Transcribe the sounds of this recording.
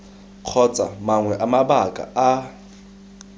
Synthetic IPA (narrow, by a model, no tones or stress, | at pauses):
q͡χʰɔt͡sʼa̰maŋwɛʔamabakʼa̰a